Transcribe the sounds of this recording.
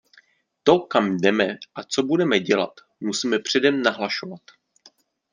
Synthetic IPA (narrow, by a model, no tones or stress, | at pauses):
t̪o̞kamdɛmɛʔat͡so̞budɛmɛɟɛla̰t̪ | musiːmɛpr̝̥ɛdɛmnaɦlaʃo̞vat̪